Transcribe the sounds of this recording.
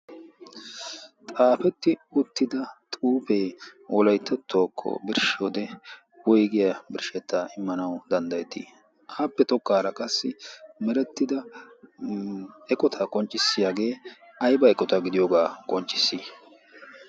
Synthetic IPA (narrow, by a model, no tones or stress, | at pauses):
t̪ʼaːfɛt̪ːɪʊt̪ːɪd̪ɐt̪ʼuːpeːwɔlɐjt̪ʰːɛt̪ʰːoːkʰːɔ̰bɪɾʃɪoːd̪ɛ | wɔjɡɪjɐbɪɾʃɛt̪ːaʔɪmːɐnɐwd̪ɐnd̪ɐjɛt̪ḭ | hɐpːɛt̪ɔkːaːɾɐkʼɐsːɪmɛɾɛt̪ːɪd̪ɐ | ɛkʼɔt̪ʰɐkʼɔnt͡ʃʼːɪsːɪjaːɡe̞ː | ɐjbɐɛkʼːɔt̪ɐɡɪd̪ɪjoːɡaːkʼɔnt͡ʃʼːɪ̥sːi